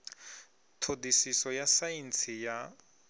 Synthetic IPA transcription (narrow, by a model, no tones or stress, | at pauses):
tʰodisisɔjasajint͡sʰija